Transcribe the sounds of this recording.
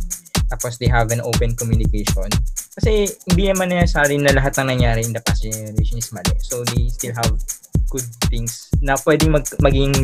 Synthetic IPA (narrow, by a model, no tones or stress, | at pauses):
t̪aːposd̪ejɦɐvɐnʔowpɛ̃nkɔmjunɪkejʃonkɐsɛhɪnd̪inɐmɐnːɐjasaːɾɪnɐlɐɦat̪̚nɐŋnɐŋjaːɾɪɪnd̪ɐpasɪɾeʃonɪsmɐlɛ̰sowd̪ejst̪ɪlɦɐvɡ̥ʊd̪̚θɪŋsnɐpwɛd̪ɪŋmɐmɐɡiɪŋ